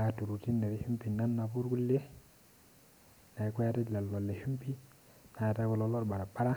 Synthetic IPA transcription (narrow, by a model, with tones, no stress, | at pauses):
a˨tu˨ɾu˨ti˦nːe˨ɾe˨hu˦mpi˨na˦nːa˨pu˦ɾku˦le˦ | na˨ke˦ja˦te˦dla˨lːo˨lːe˨ʃu˦mpi˦ | na˨ta˦ku˨lɔ˦lo˦ɾba˨ɾa˨ba˦ɾa˦